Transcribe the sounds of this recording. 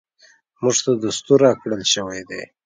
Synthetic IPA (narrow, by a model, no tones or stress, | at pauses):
muʐt̪ad̪ust̪uɾɑkɽəlʃəwed̪e